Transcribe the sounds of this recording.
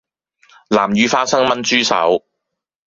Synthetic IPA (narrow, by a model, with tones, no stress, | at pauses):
laː˨˩mjyː˨˧faː˧t̚sɐ˥ŋmɐ˥nt͡ʃyː˥sɐ̰˨˥w